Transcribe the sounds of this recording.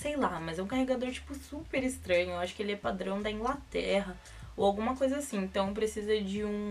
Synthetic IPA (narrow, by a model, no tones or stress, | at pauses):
sejlamɐzɛũkaheɡad̪oɾt͡ʃi̥pʊsupeɾist̪ɾɐ̃ɲʊeaʃʊ̥kɪelɪɛpad̪ɾɐ̃w̃d̪ɐĩŋɡlat̪ɛɦɐ | oawɡũmɐkojzɐasĩẽnt̪ɐ̃w̃p̬ɾesizɐd͡ʒɪũ